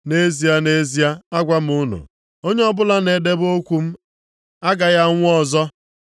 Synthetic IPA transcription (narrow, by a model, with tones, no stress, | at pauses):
ne˦zi˨˦a˦ne˦zi˦a˦a˦ɡʷa˦m̩˨ʊ˦nʊ̰˨ | o˦ɲe˦ɔ˦bʊ˦la˦ne˨de˦bo˦kʷu˨m̩˦ | a˦ɡa˨ja˦ŋʷʊ˦ɔ˨zɔ˦